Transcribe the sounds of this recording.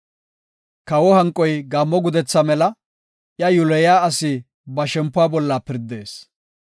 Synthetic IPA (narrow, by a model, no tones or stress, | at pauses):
kɐwɔhɐŋkʼːɔjɡaːmːɔɡʊd̪ɛt͡sːɐmɛlɐ | ʔjɐjʊlɛjaːɐsɪ | bɐʃɛmpːʊaːbɔlːapɪɾd̪e̞ːs